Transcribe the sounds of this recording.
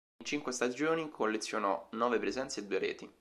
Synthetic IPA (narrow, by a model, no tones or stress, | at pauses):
nt͡ʃiŋkwest̪ad͡ʒoːnikʰolːet̪sːjonɔnɔːvepɾezɛnt̪seːd̪uːeɾɛ̰ːt̪i